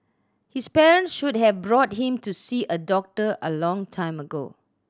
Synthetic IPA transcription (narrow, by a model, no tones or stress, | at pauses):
hispɛɹə̃ntsʃud̚ɦɛvbɹɔt̚ɦĩmtusiʔədɔk̚təʔəlɔ̃ŋtʰãɪ̃məɡo̰